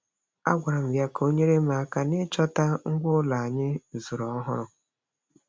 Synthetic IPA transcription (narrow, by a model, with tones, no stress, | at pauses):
a̰˦ɡʷa˨ɾa˨m̩˨ɡja˦kʰo˦ɲe˦ɾe˦ma˨˦ka˨nɪ˦t͡ʃɔ˦ta˦ŋ̩˦ɡʷʊ˦la˨a˨ɲɪ˦zʊ˨ɾɔ˨˦ɦʊ˦ɾʊ˨